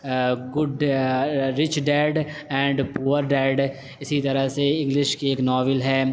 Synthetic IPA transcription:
ɡʊɖ | ɾɪt͡ʃɖɛːɖɛ̃ːɳɖpuːəɾɖɛːɖ | ɪsit̪ɐɾəseɪ̃ŋɡlɪʃkieːknɔːʋɪlɦɛː

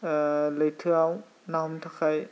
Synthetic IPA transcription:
ləjtʰɯaw | naɦɔmtʰakʰaj

